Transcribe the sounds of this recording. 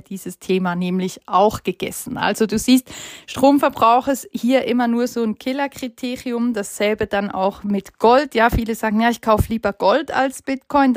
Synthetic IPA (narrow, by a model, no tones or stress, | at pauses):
d̥iːzəstʰeːmaːnɛːmlɪçʔaʊxɡ̥əɡ̥ɛ̰sn̩ʔa̰lz̥oduːziːstʃtʁ̥oːmfɛɐbʁaʊxəshiːɐʔɪmɐnuːɐzoːnkʰɪlɐkʁ̥itʰeːʁiʊmd̥asz̥ɛlbəd̥ana̰ʊxmɪtɡ̥ɔltjaːfiːləzaːɡŋ̩jaːɪçkʰaʊfəliːbɐɡ̥ɔltʰa̰lsb̥ɪtkʰɔʏn